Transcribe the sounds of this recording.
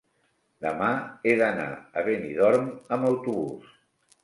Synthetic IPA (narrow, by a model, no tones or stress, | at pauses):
d̪əmaeðəna̰ə̰βeniðɔɾməməwt̪uβus